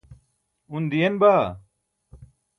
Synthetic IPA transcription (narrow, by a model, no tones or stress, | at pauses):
und̪ijɐnbaː